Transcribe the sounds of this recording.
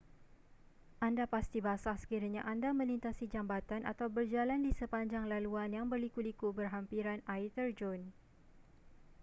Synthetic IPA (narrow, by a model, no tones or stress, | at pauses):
ʔandapast̪ibasahsə̥kiɾaɲãʔandamə̃lint̪asid͡ʒambat̪anʔa̰t̪awbərd͡ʒalandisəpaɲd͡ʒaŋlaluanjaŋbərlikulikubərɦampiɾanait̪ərd͡ʒɔn